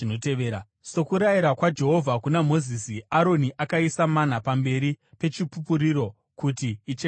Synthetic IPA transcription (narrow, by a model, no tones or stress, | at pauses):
noteʋeɾa | so̞kuɾaiɾakwad͡ʒe̞ɦo̞vʱakunamo̞zisiaɾo̞niʔakaisaman̤apambe̞ɾipe̞t͡ʃipupuɾiɾo̞ | kutiːt͡ʃe